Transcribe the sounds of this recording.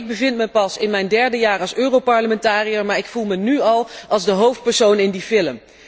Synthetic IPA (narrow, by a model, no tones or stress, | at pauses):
ɡ̚bəvɪntməpɑsɪnmɛjndɛɹdəjaːrɑlˠsøːrowpɑɹləmɛntaːrijəɹmaːɹɪkfulˠmənyɑlˠʔɑlˠzdəɦowft̚pɛɹsownɪndifɪləm